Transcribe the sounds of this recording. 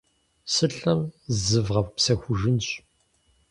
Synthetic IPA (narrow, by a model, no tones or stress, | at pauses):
sɨɬɐmzzɨvʁɐvpsɐxʷʊʒɨnɕ